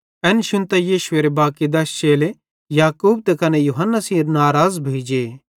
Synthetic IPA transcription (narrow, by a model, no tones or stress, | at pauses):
ɛːnʃʊ̃nt̪ɛjiːʃʊeːɾebaːkid̪ɐst͡ʃeːle | jaːkuːbt̪ekɐnejuɦɐnːasĩːɾnaːɾaːzbʱeːd͡ʒe